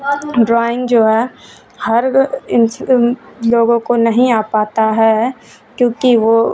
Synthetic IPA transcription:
ɖɾaːɪ̃ŋɡd͡ʒoːɦɛ | hɐɾɪn | loːɡõkonɐɦĩaːpaːt̪aɦɛː | kjõːkiʋoː

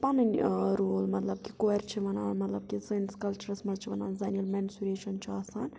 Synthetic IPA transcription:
pɐnɨnʲɾoːlmɐt̪lɐb̚kikoɛɾt͡ʃʰiʋɐnaːnmɐt̪lɐb̚kisənskɐlt͡ʃuɾɐsmɐlt͡ʃʰiʋɐna̰ːnzɐniulmɛnsuɾeːʃɐnt͡ʃʰiaːsaːnʲ

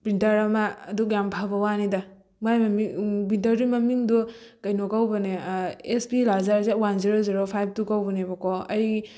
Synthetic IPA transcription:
pɾintɐɾɐmɐːdukjampʰabɐwanida | majmɐmipɾintɐɾdimɐmiŋdu | kɐjnokawbɐneespilazaɾzewanziɾoziɾopʰajb̚tukawbɐnebɔkɔɐ̰jɡ

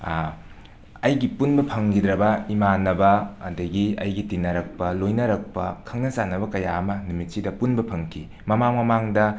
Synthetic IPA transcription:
ɐjɡipunbɐpʰɐŋɡidɾɐbɐimanɐbɐɐ̰dɐɡiɐ̰jɡitinɐɾɐk̚pɐlojnɐɾɐk̚pɐ̰kʰɐŋnɐsanɐbɐkɐjaɐmɐnumit̚sidɐpunbɐpʰɐŋkʰi | mɐmaŋmɐmaŋdɐ

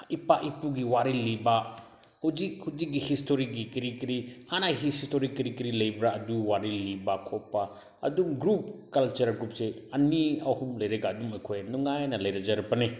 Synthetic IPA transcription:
ipaʔipuɡiwaɾiliba | huzik̚huzik̚ɡihistʰoɾik̚ɡikiɾikiɾihanaɦisstoɾikːiɾikiɾilɐjbɾaɐduwaɾilibakʰɔpːa | ɐ̰dumɡɾup̚kɐlt͡ʃɐɾɡɾup̚seɐniawhumlɐjɾeɡaɐdumɐkʰojnuŋajnɐlɐjɾad͡ʒaɾpɐne

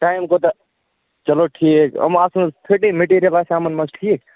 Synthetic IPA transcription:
ʈaːjmkot̪ɐ | t͡ʃəloʈʰikə̰masnt̪ʰeʈimeʈiɾijəlasamənmɐt͡ʃʈʰiːk̚

